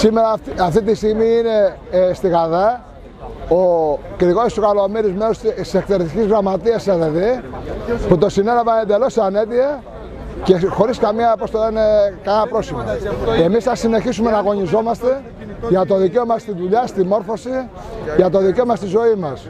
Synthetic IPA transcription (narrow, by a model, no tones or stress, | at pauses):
simeɾɐɐft̪it̪̬ist̪iɣmiine̞st̪iɣɐðɐ | okɾiɣoist̪okɐlo̞miɾizmeɾossekθeɾt̪icizɣɾɐmɐt̪iɐsɐðeði | put̪o̞sine̞lɐvɐend̪e̞lo̞sane̞t̪iɐ | ce̞xo̞ɾiskɐmiɐpost̪olenekɐlɐpɾo̞sipɐe̞misθɐsine̞çisume̞nɐɣo̞ɲizo̞mɐst̪e̞ | ʝɐt̪o̞ðiceomɐst̪inðuʎɐst̪imo̞ɾfo̞si | ʝɐt̪o̞ðice̞omɐst̪izo̞imɐs